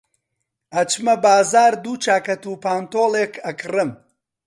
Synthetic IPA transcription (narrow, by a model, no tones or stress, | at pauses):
ɐt͡ʃmɐbaːzaːɾd̪uːt͡ʃaːkɐt̪uːpaːnt̪oːleːkʰɐkʰɨrɨm